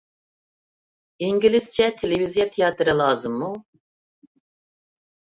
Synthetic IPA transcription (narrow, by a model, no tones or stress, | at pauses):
iŋɡʲilɪst͡ʃʰɛt̪ʰelɪvizijɑt̪ʰejɑt̪ʰɨɾɨlˠɑːzɨmːu